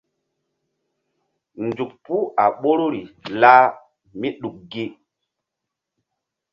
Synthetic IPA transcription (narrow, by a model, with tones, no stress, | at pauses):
nd͡ʒu˨k̚pu˦a˨ɓo˦ɾo˦ɾi˨la˦ | mi˦ɗu˨k̚ɡi˦